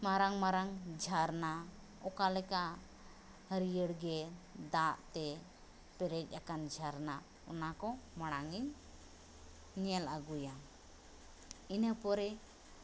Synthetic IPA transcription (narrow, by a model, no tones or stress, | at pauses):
maɾaŋmaɾaŋd͡ʒʱaɾna | ɔkalɛkaʔ | həɾijəɽɡɛd̪aʔt̪ɛ | pɛɾɛc̚ˀʔakand͡ʒʱaɾna | ɔnakɔmaɽ̃aŋiɲ | ɲiɛlaɡuja | inəpɔɾɛ